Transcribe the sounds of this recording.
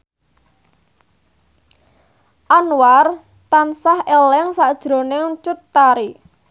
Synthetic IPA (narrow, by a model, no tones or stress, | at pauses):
ʔanwar | t̪ansahelɛŋsaʔd̥ʒ̥ɾo̤nɪŋt͡ʃut̪ːaɾi